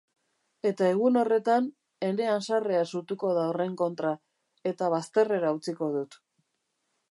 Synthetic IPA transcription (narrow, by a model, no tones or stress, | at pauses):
e̞t̪ae̞ɣ̞uno̞re̞t̪an | e̞ɾe̞ansareasut̪uko̞ðaore̞ŋko̞nt̪ɾa | e̞t̪aβ̞ast̪e̞re̞ɾaut͡siko̞ðut̪